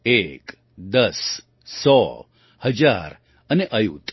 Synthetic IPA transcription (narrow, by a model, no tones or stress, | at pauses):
ek | d̪əs | sɔ | həd͡ʒaɾ | əneʔəjut̪